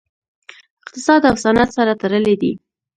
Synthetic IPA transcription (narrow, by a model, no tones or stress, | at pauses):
ɪq̚t̪ɪsɑd̪awsanat̪saɾat̪aɾəled̪ḭ